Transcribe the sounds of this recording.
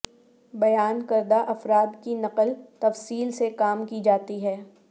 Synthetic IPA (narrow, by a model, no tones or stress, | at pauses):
bɐjaːnkɐɾd̪aʔɐfɾaːd̪kinɐqəlt̪ɐfsiːlsekaːmkid͡ʒaːt̪iɦɛː